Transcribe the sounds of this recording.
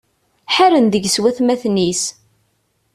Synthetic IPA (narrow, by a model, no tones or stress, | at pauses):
ħaɾənðəʝswæθmæθnis